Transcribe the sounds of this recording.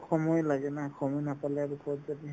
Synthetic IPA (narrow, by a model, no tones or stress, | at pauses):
kxʰɔmɔjlaɡɛnakʰɔmɔjnapalɛaɹukʰɔtzadi